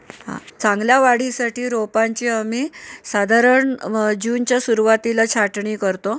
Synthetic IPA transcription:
ɦã̰t͡sãŋɡljaʋaɽ̤isaʈiːɾopaɲt͡ɕiːamiːsad̪ʱaɾəɳd͡ʑunt͡ɕjasuɾuʋat̪ilat͡ɕʰaʈɳiːkəɾt̪o

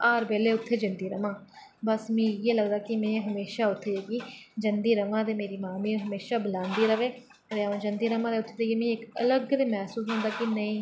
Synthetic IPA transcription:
aːɾbeːleːʊt̪ʰːeːd͡ʒənd̪iːɾəmãːbəsmĩːjeːləɡd̪aːkɪmɛ̃ːɦəmeːʃaːʊt̪ʰːeːeːɡiːd͡ʒənd̪iːɾəmãːt̪eːmeːɾiːmaːmĩːɦəmeːʃaːbəlãːnd̪iːɾəʋeː | ɾeaːõd͡ʒənd̪iːɾəmãːt̪eːʊt̪ʰːeːt̪ejeːmẽːɪkələɡd̪emɛːsuːsɦõːnd̪aːkinəĩː

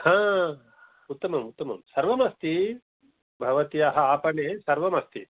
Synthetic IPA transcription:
hãː | ut̪ːɐmɐmut̪ːɐmɐ̰msɐɾʋɐmɐst̪i | bʱɐʋɐt̪ijɐɦɐ̆aːpɐɳeːsɐɾʋɐmɐst̪i

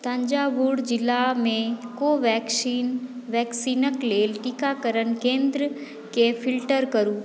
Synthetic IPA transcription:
t̪ə̃ɲd͡ʒaːbuɽd͡ʒɪlːamẽkoʋɛːkʃiːnʋɛːksiːnəkleːlʈikakəɾənkẽːnd̪ɾə | kepʰɪlʈəɾkəɾũː

